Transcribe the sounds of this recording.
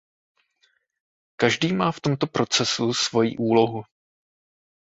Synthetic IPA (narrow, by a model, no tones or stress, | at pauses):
kaʒdiːmaːft̪o̞mt̪o̞pɾo̞t͡sɛsusvo̞jḭːʔuːlo̞ɦu